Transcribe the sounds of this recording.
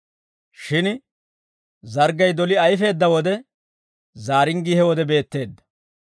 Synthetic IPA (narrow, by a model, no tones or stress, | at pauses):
ʃɪn | zɐɾɡɐjd̪ɔlɪɐjfe̞ːd̪ːɐwɔd̪ɛ | zaːɾɪŋɡihɛwɔd̪ɛbe̞ːt̪ːe̞ːd̪ːɐ̥